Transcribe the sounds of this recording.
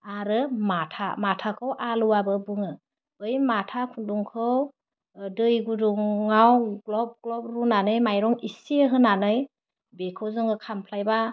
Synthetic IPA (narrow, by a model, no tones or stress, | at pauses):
aɾɯmatʰa̰matʰakʰɯwʔaluwabɯbɯŋɯ | ɯjmatʰakʰunduŋkʰɯw | dɯjɡuduŋŋawɡlɔb̚ɡlɔb̚ɾunanɯjmajɾɔŋisiɦɯnanɯj | bekʰɯwzɯŋɯkʰampʰlajba